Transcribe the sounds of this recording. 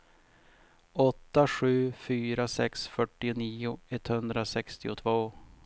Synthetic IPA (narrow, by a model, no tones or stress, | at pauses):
ɔt̪ːaɧʉ̟ːfyːɾasɛksfœʈːɪʊniːʊɛt̪ːhɵnd̪ɾasɛkst̪ɪʊ̰t̪ʰvoː